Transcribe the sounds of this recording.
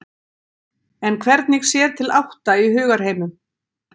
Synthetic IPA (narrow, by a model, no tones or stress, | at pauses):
ɛnkʰvɛɾt̪̚niɣsjɛːɾ̥t̪ʰɪlawht̪aiɦʏːɣaɾ̥ɦeːjmʏm